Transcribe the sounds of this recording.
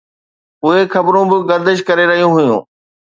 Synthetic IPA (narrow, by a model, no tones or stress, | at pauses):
ʊɦexʰɐbɾõbɪɡɐɾd̪ɪʃ̬kɐɾeɾɐɦijũɦʊjṵ̃ː